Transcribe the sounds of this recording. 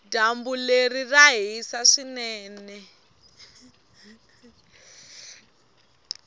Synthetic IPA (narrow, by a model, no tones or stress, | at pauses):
dambuleriraɦisaʂinɛːnɛ